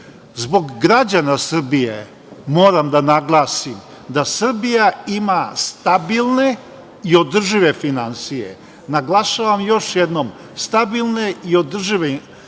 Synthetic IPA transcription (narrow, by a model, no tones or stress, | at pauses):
zbo̞ɡːɾad͡ʑanasr̩bije | mo̞ːɾamd̪anaɡlˠaːsim | d̪asr̩bijaimast̪abilˠne̞ | io̞d̪r̩ʒiʋe̞finansijḛ | naɡlˠaʃaːʋamjo̞ʃjed̪nom | st̪abilˠne̞io̞d̪r̩ʒiʋe